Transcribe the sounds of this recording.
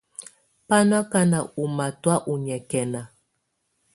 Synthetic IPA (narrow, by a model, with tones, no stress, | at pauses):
pa˦n˦a˦ka˦na˨u˨ma˨twa˦ʔu˨ɲɛ˨kɛ˨na˨